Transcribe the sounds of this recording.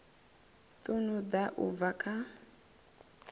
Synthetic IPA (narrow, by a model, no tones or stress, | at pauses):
t̪ʼunud̪aʔṵvakʼa